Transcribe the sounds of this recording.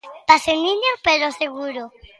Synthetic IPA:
t̪aseminjopeɾoseɣuɾo

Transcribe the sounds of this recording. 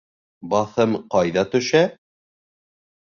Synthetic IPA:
bɑθɤmqɑjðɑt̪ɵ̆ʃæ

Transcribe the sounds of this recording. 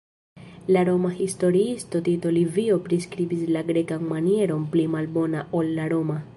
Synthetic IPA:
laɾo̞mahisto̞ɾiisto̞tito̞livio̞pɾiskɾibislaɡɾe̞kanmanie̞ɾo̞nplimalbo̞naʔolːaɾo̞ma

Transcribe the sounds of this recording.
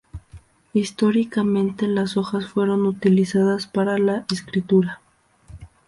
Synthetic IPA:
ist̪o̞ɾikamẽ̞nt̪e̞laso̞xasfwe̞ɾo̞nut̪ilisaðaspaɾalaʔeskɾit̪uɾa

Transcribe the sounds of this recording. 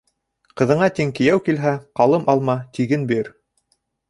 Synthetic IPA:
qɤ̆ðɤ̆ɴɑt̪iŋkɘ̆jæwkilɦæqɑlˠɤmʔɑlˠmɑt̪iɡɘnbiɾ

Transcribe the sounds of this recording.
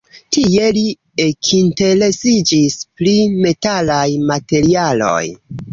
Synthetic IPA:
tije̞li | ekʰinte̞ɾe̞sid͡ʒispɾime̞talajmate̞ɾialo̞̰j

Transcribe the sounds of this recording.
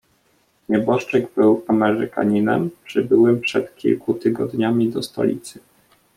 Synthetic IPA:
ɲɛbɔʂt͡ʂɛɡbɘwamɛɾɘka̰ɲinɛ̰mpʂɘbɘwɘmpʂɛt̪kʲḭlkut̪ɘɡɔd̪ɲamʲid̪ɔst̪ɔ̰lʲḭt̪sɘ

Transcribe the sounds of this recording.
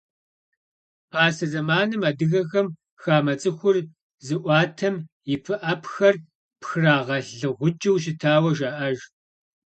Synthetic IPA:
pʰaːsɐzɐmaːnɨmaːdɨɣɐxɐm | xaːmɐt͡sʼɨxʷʊr | zɨʔʷɑːtʰɐm | jɪpʰɨʔɐpxɐr | pxraːʁɐɮɨʁʷʊd͡ʒɐwɕ̬ɪtʰaːwɐʒaːʔɐʒ

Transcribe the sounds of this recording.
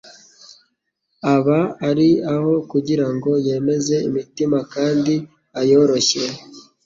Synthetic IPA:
aβaːɾiaho̞kuɟiɾaŋɡo̞je̞ːme̞ze̞imitimakaːndi | ajo̞ɾo̞çe

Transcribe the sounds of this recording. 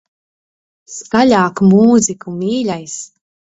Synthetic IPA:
skalʲaːkmuːzikumiːlʲajs

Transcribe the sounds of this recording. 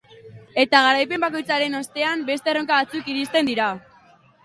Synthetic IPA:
e̞t̪aɣ̞aɾajpe̞mbako̞jt͡saɾe̞no̞st̪e̞ambe̞st̪e̞ro̞ŋkaβat͡sukiɾist̪e̞nd̪iɾa

